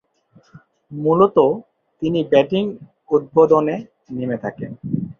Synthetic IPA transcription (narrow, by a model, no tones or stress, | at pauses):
mulot̪o | t̪inibɛʈiŋ | ut̪̚bod̪one | nimet̪ʰaken